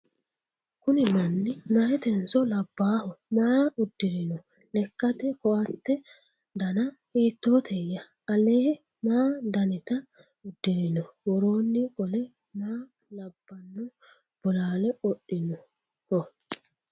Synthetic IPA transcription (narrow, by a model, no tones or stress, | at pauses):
kʊnɪmɐnːɪnɐhɛt̪ɛnsɔlɐbːaːhɔmaːʊd̪ːɪɾɪnɔ | lɛkːɐt̪ɛkɔʔɐt̪ːɛ | d̪ɐnɐ | hiːt̪ːoːt̪ʰɛjːɐ | ɐleː | maːd̪ɐnɪt̪ɐ | ʊd̪ːɪɾɪnɔwɔɾo̞ːnːɪkʼɔlɛ | maː | lɐbːɐnːɔ | b̥ɔlaːlɛɔɗːɪnɔ | hɔ